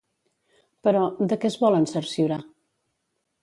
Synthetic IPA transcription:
pəɾɔd̪əkɛzβɔlənsəɾsiuɾa

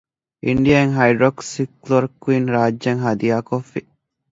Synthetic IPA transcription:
ʔiɳɖijaːeŋɦɐjɖɾoksikloɾkuiːnɾaːd͡ʒːɐŋɦɐd̪iaːkofːi

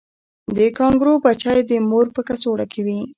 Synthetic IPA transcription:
d̪əkɑŋɡɾobat͡ʃajd̪əmoɾpəkasoɽakʰawi

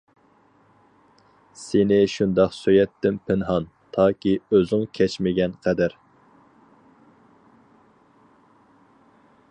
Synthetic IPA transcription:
senɪʃund̪ɑqsøjɛt̪ːɪnpʰɪnɦɑn | t̪ʰɑːkʲiøzɪŋkʲʰɛt͡ʃmɪɡʲɛnqʰæd̪æɾ

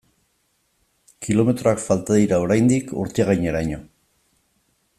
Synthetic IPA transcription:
kʰilo̞me̞t̪ɾo̞akfalt̪aðiɾao̞ɾajnd̪ikṵɾt̪eaɣajɲe̞ɾaɲo̞

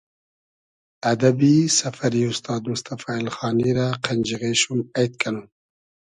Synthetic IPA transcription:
ad̪abisafaɾiust̪ɑːd̪mʊst̪afaːilxɑːniɾaqʰand͡ʒiɣeʃumajt̪̚kʰanu

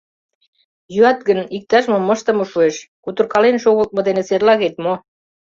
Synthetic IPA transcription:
jyɑt̪ɡənik̚t̪ɑʃmomːəʃt̪ə̆moʃueʃkut̪ə̆rkɑlenʃoɣəlt̪̚mŏd̪eneserlɑɣet̪mo

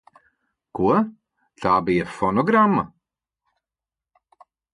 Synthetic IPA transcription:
ɡ̥uə | t̪aːbiəfɔnɔɡɾamə

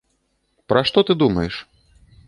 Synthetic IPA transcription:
pɾɐʂt̪ɔt̪ɨd̪umɐjɛʂ

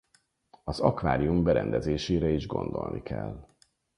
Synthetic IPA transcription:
ɒzɒkʋaːɾiumbɛɾɛnd̪ɛzeːʃeːɾɛiʒɡond̪o̞̰lnʔikʰɛl

